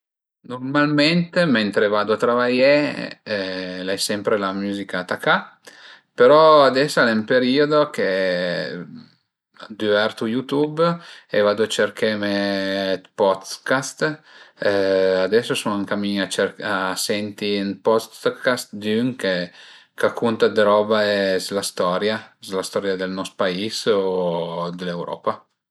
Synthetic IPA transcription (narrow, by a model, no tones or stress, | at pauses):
normalment̪ement̪ɾevad̪oat̪ɾavaje | lajsɛmpɾelamyːzikat̪akːa | peɾɔad̪ɛsːalɛmpeɾiod̪ok̟e | d̪yvɛrt̪ujut̪ubevad̪oat͡ʃerkemet̪pɔt̪kast̪ | ad̪ɛsːosunaŋkamiɲat͡ʃeɾasɛnt̪inpɔst̪kast̪d̪yŋke | kakʰːunt̪ad̪ɾɔbaɛslast̪ɔɾjaslast̪ɔɾjad̪elnɔst̪paisod̪elewɾʔɔ̰ːpa